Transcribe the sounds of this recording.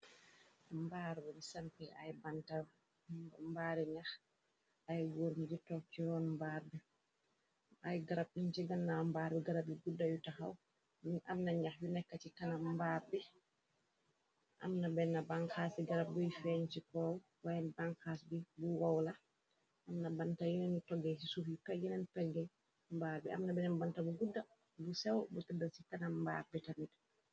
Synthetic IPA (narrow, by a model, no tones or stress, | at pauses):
mbaɾwɔnisampɛa̰jbantaw | mbaɾɛɲax | ajwoɾmd͡ʒitɔkːiɔnmbaɾbɛ | ʔajɡaɾab̚ɗunt͡ʃiɡanːambaɾbiɡaɾabiɡudajutaha̰w | ʔamnaɲaxbinɛkːat͡ʃikanambaɾbi | ʔa̰mnabɛnːabaŋkasiɡaɾab̚dɔjfɛnt͡ʃikɔ | wajɛnbaŋkasbibuwawla | ʔamnabantajunɛnutɔɡɛsisufipɛɡɛnɛnpɛɡɛ | mbaɾbɛ̰ʔa̰mnabɛnɛnbantabuɡudːa | busɛwbutɛdːasikanamːba̰ːbɛtamid